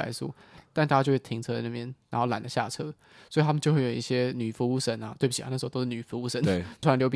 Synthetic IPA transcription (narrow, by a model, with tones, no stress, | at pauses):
a̰˧˥ɪsṵ˥˦t̪a˥˩nt̪a˥˩a˥t͡ɕjo˥˧wt̪ʰi˧˥ŋt͡sʰɤ˥˧dna˥˩mjɛ˥nɻa˧˥nxo˥˩ʊla̰˨˩nlə˦ɕja̰˥˩ʈ͡ʂʰɤ˥lə˩˨ | swɔ˧˥i˨˩t̪ʰa˥m˨t͡ɕjo˥˧xwe˥˩jo˨˩i˥˩ɕjɛ˦˥ny˨˩fu˧˥u˥˩ʂə˨˩˦na˨˦t̪we˥˩bu˩t͡ɕʰi˨a̰˧n˥˩ʂ̩˧˥˧to˥ʂny˨˩fu˧˥u˥˩ʂə˨˦nʰ˧˩˥ljo˧˥ʊp